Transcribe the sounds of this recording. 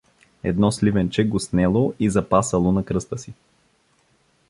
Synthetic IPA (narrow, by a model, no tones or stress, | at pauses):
ɛ̰d̪nɔslivɛnt͡ʃɛɡosnɛlˠoizɐpasəlˠonɐkɾɤst̪əsi